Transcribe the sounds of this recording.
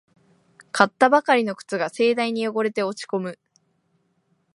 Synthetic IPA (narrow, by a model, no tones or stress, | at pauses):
kʰat̪ːabakaɾʲino̞kɯ̟̥t͡sɨɡase̞ːd̪aiɲ̟ijo̞ɡo̞ɾe̞t̪e̞o̞t͡ɕi̥ko̞mɯ̟